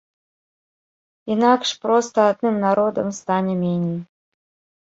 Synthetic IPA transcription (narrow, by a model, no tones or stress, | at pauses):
inakʂpɾɔst̪ɐːd̪nɨmnaɾod̪ɐ̰mst̪anʲɛmʲenʲij